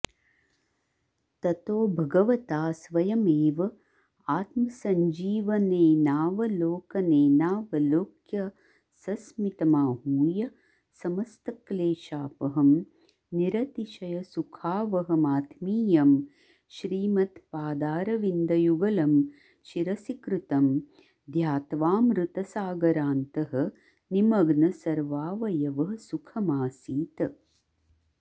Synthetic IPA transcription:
t̪ɐt̪oːbʱɐɡɐʋɐt̪aːsʋɐjɐmeːʋɐ | aːt̪̚mɐsɐɲd͡ʒiːʋɐneːnaːʋɐloːkɐneːnaːʋɐloːkjɐ | sɐsmit̪ɐmaːɦuːjɐ | sɐmɐst̪ɐkleːʃaːpɐɦɐm | niɾɐt̪iʃɐjɐsukʰaːʋɐɦɐmaːt̪ʰmiːjɐm | ʃɾiːmɐt̪paːd̪aːɾɐʋind̪ɐjuɡɐlɐm | ʃiɾɐsikɾut̪ɐm | d̪ʱjaːt̪ʋaːmɾut̪ɐsaːɡɐɾaːnt̪ɐɦɐ̆ | nimɐɡnɐsɐɾʋaːʋɐjɐʋɐɦɐsukʰɐmaːsiːt̪

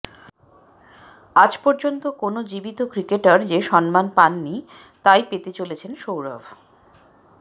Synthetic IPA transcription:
ad͡ʑpɔɾd͡ʑont̪okonod͡ʑibit̪okɾikeʈaɾd͡ʑeʃɔnmanpanːi | t̪ajpet̪et͡ɕolet͡ɕʰenʃowɾa̰b

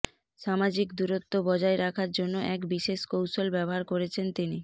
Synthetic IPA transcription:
ʃamad͡ʑikd̪uɾot̪ːobɔd͡ʑaeɾakʰaɾd͡ʑonːoʔɛkbiʃeʃkowʃolbɛboɦaɾkoɾet͡ɕʰent̪ini

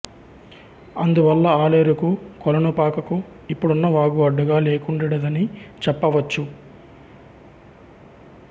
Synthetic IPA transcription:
ɐnd̪uʋɐlːɐaːleːɾukukɔlɐnupaːkɐku | ipːuɽunːɐʋaːɡuɐɖːuɡaːleːkuɳɖiɽɐd̪ɐnit͡ʃɛpːɐʋɐt͡ʃːu

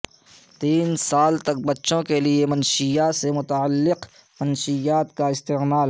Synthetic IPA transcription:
t̪iːnsaːlt̪ɐk̚bɐtːʃõkeliemɐnʃijasemʊt̪aəlːɪq | mɐnʃijaːt̪kaɪst̪eːmaːl

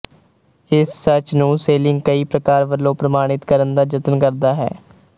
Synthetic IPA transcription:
ɪsːət͡ʃnũːseːlɪŋɡkəiːpɾəkaːɾʋəlːõːpɾəmaːɽ̃ɪt̪kəɾənd̪aːd͡ʒət̪nkəɾd̪aːɦɛ̰ː

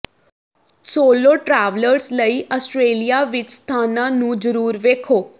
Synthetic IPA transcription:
soːloːʈɾɛːʋləɾsləiːʔəsʈɾeːlijaːʋɪt͡ʃst̪ʰaːnãːnũːd͡ʒəɾuːɾʋeːkʰoː

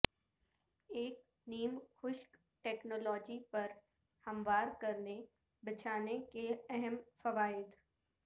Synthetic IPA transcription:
eːk̚ | niːmxʊʃk | ʈeːknoːlɔːd͡ʒipɐɾ | hɐ̃mʋaːɾkɐɾne | bɪt͡ʃʰaːnekeɛɦəmfɐʋaːɪd̪

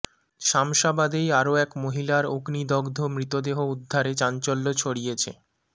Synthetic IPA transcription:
ʃamʃabad̪ejaɾoɛkmoɦilaɾoɡnid̪ɔɡd̪ʱomɾit̪od̪eɦoud̪ʱːaɾet͡ɕant͡ɕolːot͡ɕʰoɽijet͡ɕʰḛ

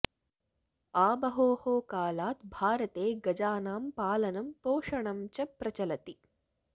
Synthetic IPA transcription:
aːbɐɦoːhoːkaːlaːt̪bʱaːɾɐt̪eːɡɐd͡ʒaːnaːmpaːlɐnɐmpoːʂɐɳɐmt͡ʃɐpɾɐt͡ʃɐlɐt̪i

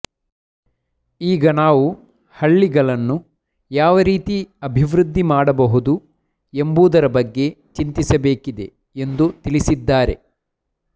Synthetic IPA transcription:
iːɡɐnaːʋu | hɐɭːiɡɐɭɐnːu | jaːʋɐɾiːt̪iɐbʱiʋɾud̪ʱːimaːɽɐbɐɦud̪u | embuːd̪ɐɾɐbɐɡːe̞ | t͡ʃint̪isɐbe̞ːkid̪e̞ | end̪ut̪ilisid̪ːaːɾe̞̰

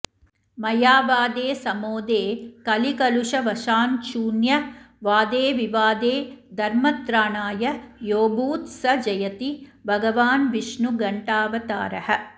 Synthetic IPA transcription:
mɐjaːʋaːd̪eːsɐmoːd̪eːkɐlikɐluʂɐʋɐʃaːnt͡ʃuːnjɐ | ʋaːd̪eːʋiʋaːd̪eːd̪ʱɐɾmɐt̪ɾaːɳaːjɐjoːbuːt̪sɐd͡ʒɐjɐt̪ibʱɐɡɐʋaːnʋiʂnuɡɐɳʈaːʋɐt̪aːɾɐhɐ̆

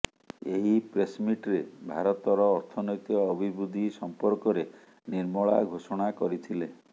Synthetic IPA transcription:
eɦipɾesmiʈɾebʱaɾɔt̪ɔɾɔːɾt̪ʰɔnɔjt̪iɔːbʱibɾud̪ʱisɔmpɔɾkɔɾe | niɾmɔɭa̰ɡʱosɔɽ̃akɔɾit̪ʰile

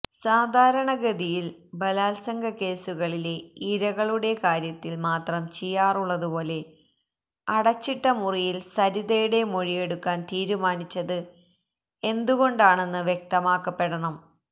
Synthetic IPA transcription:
saːd̪ʱaːɾɐɳɐɡɐd̪ijilbɐlaːlsɐŋɡʱɐke̞ːsuɣɐɭileiɾɐɣɐɭuɽe̞kaːɾjɐt̪ːilmaːt̪rɐmt͡ɕijːaːruɭːɐðupo̞ːle̞ | ɐɽɐt͡ɕːiʈːɐmurijilsɐɾiðejuɽe̞mo̞ɻije̞ɽukːaːnt̪iːɾumaːnit͡ɕːɐðɨ | e̞nd̪uɣo̞ɳɖaːɳe̞nːɨʋjek̚t̪ɐmaːkːɐpːe̞ɽɐɳɐm

